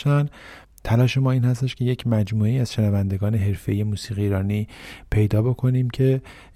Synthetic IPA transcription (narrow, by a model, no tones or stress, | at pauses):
æn | t̪ʰælɒːʃe̞mɒːiːnhæs̬t̪e̞ʃkcʰe̞je̞cʰmæd͡ʒmuːeiːæz̥ʃe̞nævænd̪e̞ɡɒːne̞ɦe̞ɾfeije̞muːsiːɣiːiːɾɒːniːpʰe̞jd̪ɒːbo̞kʰo̞niːmcʰe̞